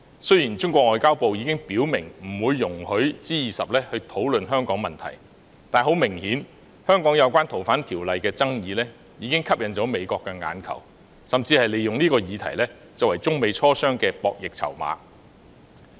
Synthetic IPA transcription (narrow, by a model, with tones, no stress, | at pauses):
sɵ˥ɥjiː˨˩nt͡sʊ˥ŋkʷɔː˧k̚ŋɔː˨jkaː˥wpo˨wjiː˨˧kɪ˥ŋpiː˨˥wmɪ˨˩ŋm̩˨˩wuː˨˧jːʊ˨˩ŋhɵ˨˥ɥt͡siː˥jiː˨˩sɐ˨p̚lɛː˥hɵ˧ɥt̪ʰo˨˥wlɵ˨nɦœː˥ŋkɔː˨˥ŋmɐ˨nt̪ʰɐ̰˨˩j | t̪aː˨˩nɦo˨˥wmɪ˨˩ŋhiː˨˥n | hœː˥ŋkɔː˨˥ŋjɐ˨˧wkʷaː˥nt̪ʰo˨˩wfaː˨˥nt̪ʰiː˨˩wlɐ˨jkɛː˧t͡sɐ˥ŋjiː˨˧lɛː˥ | jiː˨˧kɪ˥ŋkʰɐ˥p̚jɐ˨nt͡sɔː˨˥me˨˧jkɔː˧kːɛː˧ŋa̰ː˨˧nkʰɐ̰˨˩w | sɐ˨mt͡siː˧hɐ˨jle˨jʊ˨ŋniː˥kɔː˧jiː˨˧t̪ʰɐ̰˨˩jlɛː˥ | t͡sɐ˨wɐ˨˩jt͡sʊ˥ŋme˨˧jt͡sʰɔː˥sœː˥ŋkɛː˧pɔː˧k̚jɪ˨k̚t͡sʰɐ̰˨˩wma̰ː˨˧˥